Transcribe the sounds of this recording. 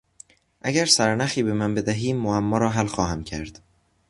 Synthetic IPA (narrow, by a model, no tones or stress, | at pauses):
ʔæɡæɾsæɾnæxiːbe̞mænbe̞d̪æɦiːmːoæmːɒːɾɒːɦælxɒːhæmcʰæɾd̪̥